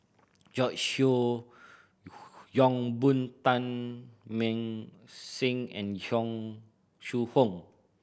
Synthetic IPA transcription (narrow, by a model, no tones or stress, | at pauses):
d͡ʒɔt͡ʃʃo | jɔ̃ŋbũnt̪ãnmɛ̃ŋsĩŋɛ̰̃njɔ̃ŋ | ʃuhõŋ